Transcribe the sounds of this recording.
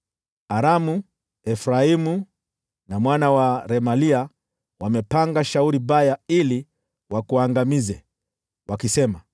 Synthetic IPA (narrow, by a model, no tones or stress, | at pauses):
aɾamu | ɛfɾaimu | namwanawaɾɛmalia | wamɛpaŋɡaʃauɾibajaili | wakuaŋɡamizɛ | wʔakisɛma